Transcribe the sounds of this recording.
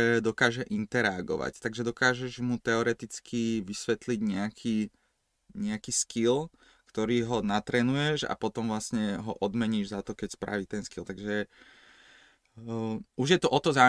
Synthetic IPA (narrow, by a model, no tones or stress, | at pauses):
ɛd̪ɔkaːʒɛʔint̪ɛɾɛaɡɔ̰ʋa̰ct̪aɡʒɛd̪ɔkaːʒɛʒmut̪ɛɔɾɛt̪it͡skʰiʋisʋɛt̪liɟɲɛakʰiː | ɲɛakiːskil | kt̪ɔɾiːɦɔnat̪ɾɛːnujɛʒa̰pɔt̪ɔmʋlasɲɛɦɔʔɔd̪mɛɲiːʒzat̪ɔkɛcspɾa̰ʋiːt̪ɛnskilt̪aɡʒɛ | uʒjɛt̪ɔʔɔt̪ɔza